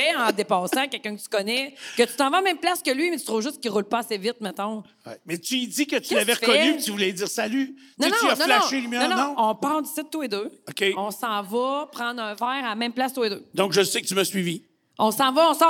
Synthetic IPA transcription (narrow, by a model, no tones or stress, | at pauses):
ɛɑ̃d̪epɑːsãkʲɛlkœ̃kət̪y̥kɔnɛkʲət̪y̥t̪ɑ̃vãaːmɛ̃mplaskʲəlɥimɛt̪yt̪ʁuvʒʏskʲiʁulpʌasevɪt̪̚mɛt̪ɔ̃ | mɛt̪yid͡z̪ikət̪ylavɛʁfkɔnypit̪yvulɛziːʁsaly | ñnɔ̃anɔ̃flaɔ̃ʃelymjɔ̃ññɔ̃ɔ̃pald̪ysɪt̪t̪ːued̪øɔkʲeɔ̃sɑ̃vʌpχɑ̃d̪ʁɛ̃væːʁamɛ̃mplast̪ued̪ød̪ɔ̃kʒəsɛkət̪ymasɥivi | ɔ̃sɑ̃vɔɔ̃sɑ̃